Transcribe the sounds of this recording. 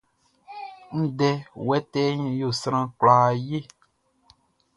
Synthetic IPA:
n̩˦dɛ˦wɛ˦tɛ˦ɲĩ˦jo˦˨sɾ̃ã˦klaː˨je˦˨

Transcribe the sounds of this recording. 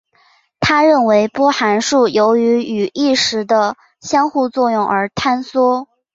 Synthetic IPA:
t̪ʰa˥ɻə˥˩nwe˧˥ɪpwɔ˥xa˧˥nʂu˥˩jo˧˥ʊy˧˥y˨˩i˥˩ʂɻ̩˧˥d̪ə˧ | ɕjɑ˥ŋxu˥˧t͡swɔ˥˧jʊ˥˩ŋʔə˞˧˥t̪ʰa˥nswɔ˥

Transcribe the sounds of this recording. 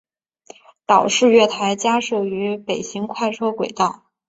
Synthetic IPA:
t̪ɑ˨˩ʊʂɻ̩˥˧ɥɛ˥˩t̪ʰa˧˥ɪt͡ɕja˥ʂɤ˥˩y˧˥pe˨˩ɪɕi˧˥ŋkʰwa˥˧ɪʈ͡ʂʰɤ˥kwe˨˩ɪt̪ɑ˥˩ʊ

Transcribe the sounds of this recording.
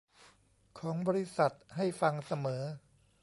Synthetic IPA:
kʰɔː˩˦ŋbɔː˧ɾi˦˥sa˨˩t̪̚ha˥˩jfa˧ŋsa˧mɤː˩˦

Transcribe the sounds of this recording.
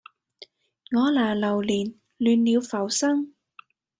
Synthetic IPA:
ŋɔː˨˧laː˨˩lɐ˨˩wliː˨˩n | lyː˨˧nliː˨˧wfɐ˨˩wsɐ˥ŋ

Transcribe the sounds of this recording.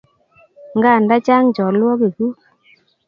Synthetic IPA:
ŋɡa˦˨nda˦t͡ʃa˦ŋt͡ʃɔ˨lwɔ˦ke˨ku˦

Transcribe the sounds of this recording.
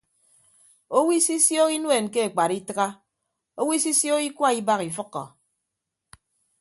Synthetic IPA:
o˦wi˦si˦sjo˦ki˦nwe˨nke˦e˨k͡pa˨ɾi˦tɨ˦ɣa˦ | o˦wi˦si˦sjo˦ki˦kwa˦i˦ba˦ɣi˨fɨ˦kːɔ̰˨

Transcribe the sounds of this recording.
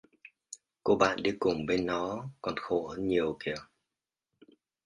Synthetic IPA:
ko˧ɓa̰ː˧˨nɗi˨˦kʊ˨˩ŋ͡mɓe˧nːɔ˨˦kɔ˨˩nxo˧˩həː˧˦nɲi˨˩əwki˧˩ə

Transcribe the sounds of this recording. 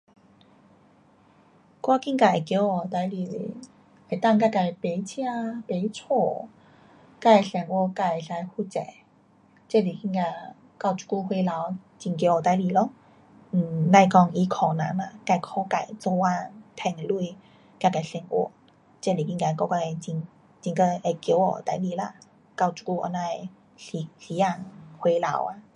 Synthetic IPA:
kwa˦˧ki˧ŋka˧˩e˨˩kjo˨˧˦ɔ˨˩t̪a˨˧˦jli˨lḭ˨˦ | e˨˩t̪a˥˧ŋka˥˧˩ka˨˧˩jpe˨˧˦t͡ɕʰjã˥˧pe˨˦t͡sʰɔ˧˩ | ka˥˧˩e˨sɛ˨˧˩ŋʔwɔ˧ka˧˩e˨sa˧jhu˧˩t͡sɛ˨˦ | t͡ɕɛ˥li˨˩ki˧ŋka˧ | ka˧˨t͡ɕu̥˧ku˧hwe˧la˨˦wt͡ɕi˨˩ŋkjɔ˨˩t̪a˨˧˦jli˨˩lɔ˧˦ŋ̩˨˩ | la˧jkɔ˧ŋʔi˧kʰɔ˨˩nã̰˨˦la˧˩ka˧˩jkʰɔ˧˦ka˨˩jt͡sɔ˧a˧t̪ʰɛ˧˩ŋe˨lu˥˧j | ka˧ka˨˩sɛ˧˩ŋʔɔ̰˧˦ | t͡ɕɛ˥˧˨li˨˩ki˧ka˧˩˨kɔ˧ka˧˩e˨t͡ɕi˧ŋ | t͡ɕi˧ŋkə˧e˧˩kjo˨˧˦wɔ̰˧˩˨t̪a˧jli˧la˧˩ | ka˥˧˩wt͡su̥˧ku˧ʔɔ̰˧˦na˧j | ɬi˨˧˦ɬi˧˦a˧˩ŋhwe˧la̰˨˧˦wa˧

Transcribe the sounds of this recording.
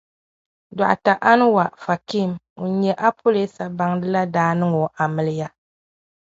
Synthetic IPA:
da̰˨ʔa̰˨ta˨ʔa˦nɨ˦wa˨fa˨ki˦˨m | o˨˦ɲɛ˨ʔa˦pʰo˦le˦sa˨ba˦ŋdɨ˦la˦daː˦nɨ˦ŋo˨ʔa˨mɨ˦lɪ˦ja˦

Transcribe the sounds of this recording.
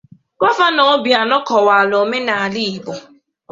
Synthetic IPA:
kɔ˦fa˦nɔ˨˦bi˨a˨nɔ˦kɔ˨wa˨lo˨me˦na˨a˨li˦i˨bɔ˨

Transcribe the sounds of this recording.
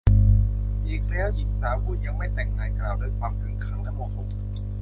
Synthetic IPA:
ʔiː˨˩k̚lɛː˦˥wʔi˨˩n̚saː˩˦kuː˥˩ja˧ŋma˥˩jt̪ɛ˨˩ŋnaː˧˩ŋkɾaː˨˩wdɤː˧jkʰwaː˧mkʰɯ˨˩˦ŋkʰa˦˥˩ŋna˦˥ŋmu˧˨˩o˨˩m̚

